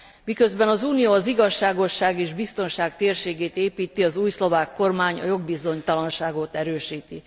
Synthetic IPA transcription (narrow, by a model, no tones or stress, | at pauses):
mikøzbɛnɒzuːnijoːɒziɡɒʃːaːɡo̞ʃːaːɡeːʒbist̪o̞nʃaːɡt̪eːrʃeːɡeːt̪eːpiːt̪iɒzuːjslo̞vaːkːo̞rmaːɲɒ̰jo̞ɡ̚bizo̞ɲt̪ɒlɒnʃaːɡot̪ɛɾøːʃiːt̪i